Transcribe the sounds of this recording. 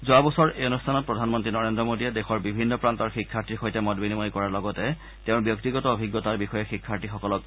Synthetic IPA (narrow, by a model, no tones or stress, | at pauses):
zoabɔsɔɹejɔnustʰanɔt̚pɹɔdʱanmɔntɹinɔɹendɹɔmodiɛdexɔɹbibʱinːɔpɹantɔɹxikʰːaɹtiɹxojtɛmɔdbinimɔjkɔɹaɹlɔɡɔtɛ | teʊ̃bjɔktiɡɔtɔobʱiɡːɔtaɹbixɔjɛxikʰːaɹtixɔkɔlɔk̚